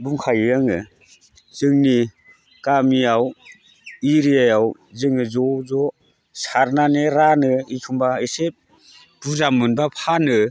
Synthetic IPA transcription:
buŋkʰajɯjaŋɯ | z̥ɯŋni | kamiaw | iɾiajaw | zɯŋɯzɔzɔ | saɾnaneɾanɯikʰumbaesep̚ | b̥uzamɯnbapʰanɯ

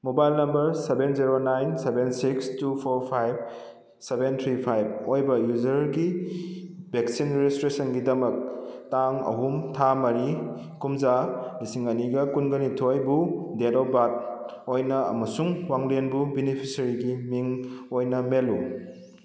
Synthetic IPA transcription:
mobajlnɐmbɐɾsebenziɾonajnsebensikstupʰoɾpʰajb̚ | sebent̪ʰɾipʰajb̚ojbɐjuzɐɾɡi | bʱeksinɾezistɾesɐnɡidɐmɐk̚taŋɐ̰ɦumtʰamɐɾi | kumzanisiŋɐniɡɐkunɡɐnitʰojbudedowbat̚ojnɐɐ̰mɐsuŋwaŋlenbubinipʰisɐɾiɡimiŋojnɐmelu

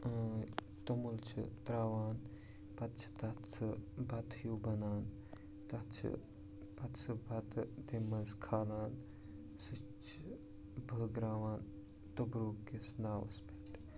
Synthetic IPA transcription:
t̪omult͡ʃʰḭt̪ɾaːʋaːn | pɐt̪t͡ʃʰi̥t̪ɐtt͡sʰɨbʱɐt̪ʰjuːbɐnaːn | t̪ɐt͡ʃʰḭ | pɐt̪t͡ʃɨbʱɐt̪t̪imːɐnzkʰaːlaːn | si | t͡ʃʰ | bʱəɡɾaːʋaːn | t̪ubɾoːkːesnaːʋɐ̰spit̪

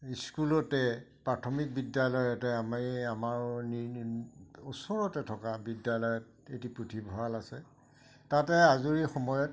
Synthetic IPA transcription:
iskulɔtɛpɹatʰɔmik̚bidjalɔjɔtɛamaamaɹni | ɔsɔɹɔtɛtʰɔkabidjalɔjɔt̚ | etipɹutʰibʱalasɛ | tatɛazuɹixɔmɔjɔt

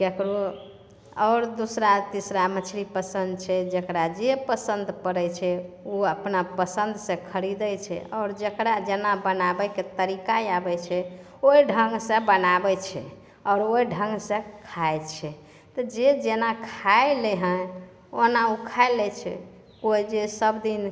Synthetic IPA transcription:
kekɾo | ɔʊɾd̪usɾat̪isɾamət͡ʃʰɾipəsənd̪̚t͡ʃʰɛd͡ʒəkɾad͡ʒepəsənd̪pəɾɛt͡ʃʰɛoəpnapəsənd̪ʱsẽkʰəɾid̪ət͡ʃʰɛ̰ɔːɾd͡ʒəkɾad͡ʒenabənabɛket̪əɾikajabɛt͡ʃʰɛ | oɖʱəŋɡsə̃bənabɛt͡ʃʰɛ̰ | ɔɾojɖʱə̃ŋɡsẽkʰajt͡ʃʰɛ | t̪ɔd͡ʒed͡ʒenakʰaeleɦə̃ | onaukʰaelɛt͡ʃʰɛ̰ | koid͡ʒesəbd̪in

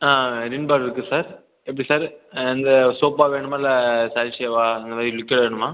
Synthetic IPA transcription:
aːɾɪɳbaːɾɪɾɯkːɯsaːɾ | ɛpːɐɽisaːɾɪnd̪ɐsoːpːaːʋeːɳɯmaːlɐsaːjlt͡ʃejʋaːɐnd̪ɐmaːðɾɪlʊkːeːɽɐʋeːɳɯmaː

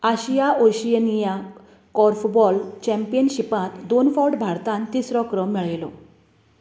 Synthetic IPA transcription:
aɕijaoɕijənija | kɔɾfbɔlt͡ɕɛ̃mpijənɕipãt̪d̪onfɔwʈbʱaɾt̪ãnt̪isɾɔkɾəmiɭelɔ

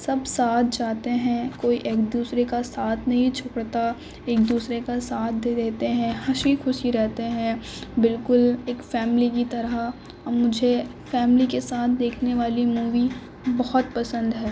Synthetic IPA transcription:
sɐbsaːt̪̚ʰd͡ʒaːt̪eɦɛ̃koːiʔeːk̚d̪uːsɾekasaːt̪ʰnɐɦĩt͡ʃʰʊkɽt̪a | eːk̚d̪uːsɾekasaːt̪̚ʰd̪eːd̪eːt̪eɦɛ̃hɐʃikʰʊʃiɾɛɦt̪eɦɛ̃bɪlkʊleːkfɛːmlikit̪ɐɾaː | ʊd͡ʒʱe | fɛːmlikesaːt̪̚ʰd̪eːkʰneʋaːlimuːʋi | bɔɦɔt̪̚pɐsə̃nd̪ɦɛː

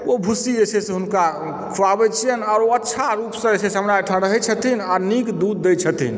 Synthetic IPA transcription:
obʱusiesesẽɦunka | kʰuabɛt͡ʃʰijənaːɾoətːʃʰaɾupsə̃esesəmɾajʈʰə̃ɾəɦɛt͡ʃʰət̪inaɾnikd̪ud̪ːɛjt͡ʃʰət̪ḭn

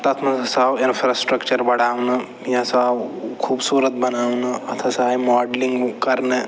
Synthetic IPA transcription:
t̪ɐt̪ʰmɐnɐsaʋinfɾasʈɾəkt͡ʃəɾbɐɽaːʋnɐ | jasaʋkʰuːbsuːɾət̪̚bɐnaːʋnɐɐt̪ʰɐsaimɔːɖliŋɡkɐɾne

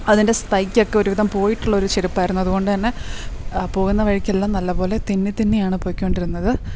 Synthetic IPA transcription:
ɐðinde̞st̪ɐjkʲːo̞kːeo̞ɾuʋiðɐmpo̞ːjiʈːuɭːɐo̞ɾut͡ɕeɾupːaːjɾunːuɐðuɣo̞ɳɖɨt̪ɐnːe̞ | po̞ːɣunːɐʋɐɻikʲːelːaːmnɐlːɐpo̞ːle̞t̪inːit̪ːinːejaːɳɨpo̞ːkʲːuoɳɖiɾunːɐðɨ

